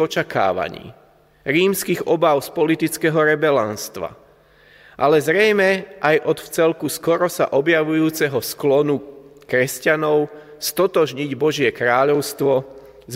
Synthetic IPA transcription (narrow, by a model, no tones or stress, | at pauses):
ɔt͡ʃaka̰ːʋa̰ɲḭː | ɾiːmskiɣɔbaʊspɔlit̪it͡skɛɦɔɾɛbɛlanst̪ʋa̰ | ʔalɛzɾɛjmɛʔajʔɔt̪ft͡sɛlkuskɔɾɔsa̰ʔɔbjaʋujuːt͡sɛɦɔsklɔnukɾɛscanɔʊ | st̪ɔt̪ɔʒɲiɟbɔʒɪɛkɾaːʎɔʊst̪ʋɔ | z